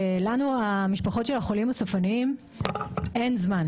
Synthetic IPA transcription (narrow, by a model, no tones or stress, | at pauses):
lanuamiʃpaχo̞tʃe̞laχo̞limasofaniim | e̞nzman